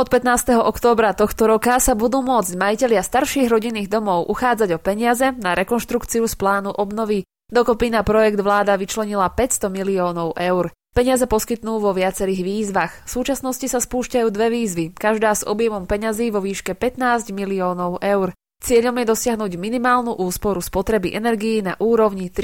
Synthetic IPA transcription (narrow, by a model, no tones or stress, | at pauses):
ɔt̪̚pɛt̪naːst̪ɛɦɔʔɔkt̪ɔːbɾat̪ɔxt̪ɔɾɔkasabud̪uːmʊɔd͡zɟmajicɛʎɪast̪aɾʃiːɣɾɔɟinːiːɣd̪ɔmɔʊʔuxaːd͡zaɟɔpɛɲɪazɛnaɾʔɛkɔnʃt̪ɾukt͡siusplaːnuʔɔbnɔʋi | d̪ɔkɔpiːnapɾɔjɛɡd̪ʋlaːd̪aʋit͡ʃlɛɲilapɛcst̪ɔmiliɔːnɔʊʔɛʊɾ | pɛɲɪazɛpɔskit̪nuːʋɔʋɪat͡sɛɾiːɣʋiːzʋaxfsuːt͡ʃasnɔscisaspuːʃcajuːd̪ʋɛʋiːzʋikaʒd̪aːzɔ̰bjɛmɔmpɛɲaziːʋɔʋiːʃkɛpɛt̪naːzɟmiliɔːnɔʊʔɛʊɾ | t͡sɪɛʎɔmjɛd̪ɔsɪaɦnuːɟminimaːlnuʔuːspɔɾuspɔt̪ɾɛbiʔɛnɛɾɡijina̰ʔuːɾɔʊɲit̪